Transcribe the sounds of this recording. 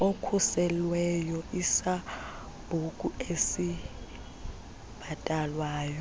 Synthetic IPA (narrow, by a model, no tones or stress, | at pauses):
okʰusɛlwɛjɔʔisa | b̥ʱukʼuesi | b̥ʱatʼalwaːjɔ